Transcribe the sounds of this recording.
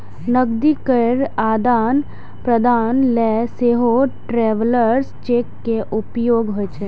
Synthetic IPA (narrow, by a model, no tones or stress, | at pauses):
nəɡd̪ikəɾaːd̪aːn | pɾəd̪aːnlɛseɦoʈɾeːʋləɾst͡ʃeːkːeʔʊpjoːɡɦoet͡ʃʰe